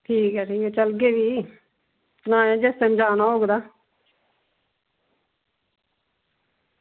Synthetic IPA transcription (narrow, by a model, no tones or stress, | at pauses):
ʈʰiːkɛːʈʰiːkɛt͡ʃəlɡeːʋiː | nãːjãːd͡ʒest̪ẽmd͡ʒaːnaːoːɡd̪aː